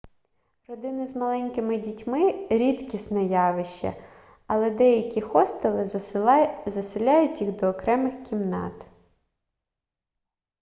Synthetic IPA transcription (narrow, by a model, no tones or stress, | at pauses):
rɔd̪ɪnɪzmɐlˠɛnʲkɪmɪdʲitʲmɪɾʲit̪kʲisnɛjɑʋɪʃt͡ʃːɐ̰ | ɐlˠɛd̪ɛjɐkʲixɔst̪elˠɪ | zɐsɪlʲɑjʊtʲjixd̪ɔːkɾɛmɪxkʲimnɑ̰t̪